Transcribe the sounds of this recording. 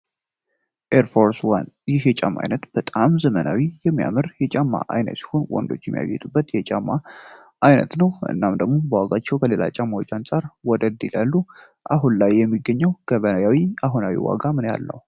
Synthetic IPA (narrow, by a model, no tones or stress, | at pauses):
ʔeɾfo̞ɾswanjɪhjɛt͡ʃʼamːa̰jnət̪b̥ət̪ʼamzəmənawijɛmːija̰mɨɾjɛt͡ʃʼamːa̰ʔajnə̰t̪si̥ho̞nwɔ̰nd̪o̞̰t͡ʃːjɛmːija̰jjɛt̪ʼubːət̪jɛt͡ʃʼamːa | ʔːjnə̰t̪nəwʔɨ̰nːamd̪əɡmo̞bəwaɡat͡ʃːɛwkʰəlelʔa̰t͡ʃʼamːawot͡ʃːansʼaɾwɔd̪əd̪ilalːu | ʔaɦunlajːɛmːiɡːəɲːɛwɡ̥əβənajawiaɦonawḭwa̰ɡamɨnja̰lːə̰w